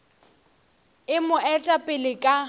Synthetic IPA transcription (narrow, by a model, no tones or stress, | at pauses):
ɪmʊʔɛtʼapʼɪlɪkʼa